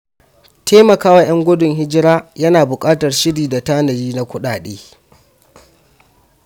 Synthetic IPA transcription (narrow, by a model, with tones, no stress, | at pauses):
tʰeː˦mɐ˨kaː˦wa˦j̰ɐ˦ŋɡʷʊ˦dʊ˨ŋɦɪ˦d͡ʒɪ˦ɽaː˦jɐ˦naː˨bʊ˨kʼaː˦tɐ˨rʃɪ˦ɽiː˨da˨taː˦nɐ˨jiː˦na˦kʷʊ˦ɗaː˨ɗeː˦